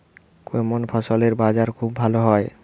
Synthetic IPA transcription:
koemonpʰaʃoleɾbad͡ʑaɾkʰubːʱaloɦɔe

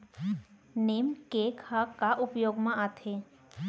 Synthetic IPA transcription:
neːmkekhakaʔʊpjoːɡmãʔat̪ʰe

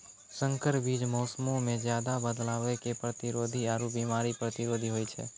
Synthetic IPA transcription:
səŋkəɾbid͡ʒmɔsmomẽd͡ʒjad̪abəd̪laʋekepɾət̪iɾod̪ʱiaɾubimaɾipɾət̪iɾod̪ʱiɦojt͡ʃʰḛ

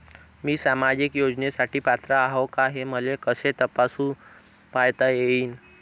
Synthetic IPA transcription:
miːsamad͡ʑikjod͡ʑnesaʈiːpat̪ɾaaɦokaɦeməlekəset̪əpasũ | pajt̪ajeiːn

